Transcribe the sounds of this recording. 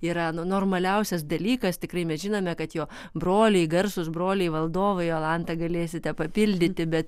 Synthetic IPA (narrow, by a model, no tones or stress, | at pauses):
iːɾɐnʊnoːrmɐlʲɛʊsʲɛsd̪ɐlʲiːkɐst̪ʲɪkrɐɪmʲɛsʒʲɪnoːmʲɛkɐt̪joː | broːlʲɛɪɡɐrsʊsbɾoːlʲɛɪʋɐlˠd̪oːʋɐɪɐlˠɑnt̪ɐɡɐlʲeːsʲɪt̪ʲɛpɐpʲɪlʲd̪ʲɪt̪ʲɪbʲɛt̪